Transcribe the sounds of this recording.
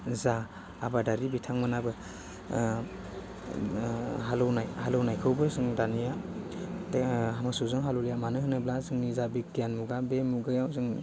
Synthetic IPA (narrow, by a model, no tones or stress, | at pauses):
zaː | badaɾibitʰaŋmɯnabɯ | ɦalɯwnajhalɯwnajkʰɯwbɯzɯŋdanija | amasuzɯŋɦalowlijamanɯɦɯnɯblazɯŋnizabikijanmuɡabemuɡɯjawzɯŋ